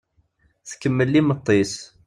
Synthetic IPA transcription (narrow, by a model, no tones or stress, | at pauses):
θkəmːəlːimət̪ˤːes